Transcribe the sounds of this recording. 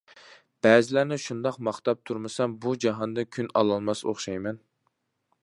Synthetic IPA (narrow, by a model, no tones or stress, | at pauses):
b̥ɛːzɪlæɾnɪʃund̪ɑqmɑχt̪ɑp̚t̪ʰuɾmɨsɑmbud͡ʒɑɦɑnd̪ɨkʲʰynɑ̰lˠɑlˠmɑso̰χʃɑjmɛn